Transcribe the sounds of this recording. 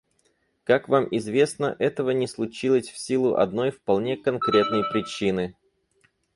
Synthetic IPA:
kakvamɪzvʲe̞snəʔɛt̪əvənʲɪslˠʊt͡ɕilˠəsʲfsʲilˠʊʔɐ̰d̪no̞jfpɐlˠnʲe̞kɐnkɾʲe̞t̪̚nəjpɾʲɪt͡ɕinɨ

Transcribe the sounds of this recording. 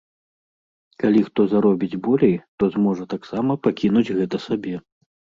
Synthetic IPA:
kalʲixt̪ɔzaɾɔbʲid͡zʲbɔlʲejt̪ɔzmɔʐɐt̪aksamɐpakʲinud͡zʲɣɛt̪ɐsabʲɛ

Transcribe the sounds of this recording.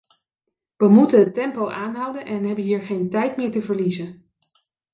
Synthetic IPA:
ʋəmutənətɛmpowʔaːnɦʌwdənʔɛnɦɛbənɦiːɹχejntɛjtmɪːɹtəvəɹlizən

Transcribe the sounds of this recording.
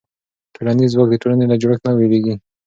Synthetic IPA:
peɽanizwɑk̚d̪əʈolanelad͡ʒoɽəkt̪naweleɡi

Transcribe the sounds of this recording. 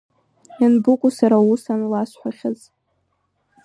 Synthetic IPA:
anbʊkʷʼʊsaɾausanlasħʷaχʲaz

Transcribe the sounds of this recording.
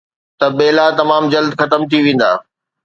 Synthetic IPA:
t̪ɐɓeːlat̪ɐmaːmd͡ʑɐld̪xɐt̪əmt̪ʰiʋẽːn̆d̪a̰ː

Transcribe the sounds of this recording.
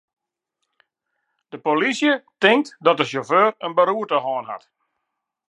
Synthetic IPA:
d̥əpolisjətɪŋ̚tdɔt̚dəsoføːrənbəɾuərtəɦɔːnɦa̰t

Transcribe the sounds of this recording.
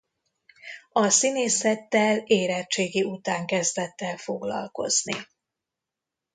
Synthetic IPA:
ɒsineːsɛt̪ːɛleːɾɛt͡ʃeːɡiut̪aːŋkɛzd̪ɛt̪ːɛlfo̞ɡlɒ̰lko̞̰znḭ

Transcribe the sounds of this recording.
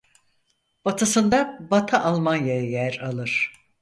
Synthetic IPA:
b̥at̪ʰɯsɯnd̪abat̪ʰaʔalˠmanjajajæɾalˠɯɾ̥

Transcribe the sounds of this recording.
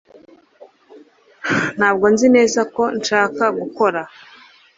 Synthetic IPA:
n̥haːb̚ɡo̞nzine̞ːzako̞nʃaːkaɡuko̞ɾa

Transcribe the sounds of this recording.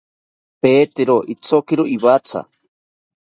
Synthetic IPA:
peːt̪eɾoʔit͡sokiɾoiβat͡sa̰

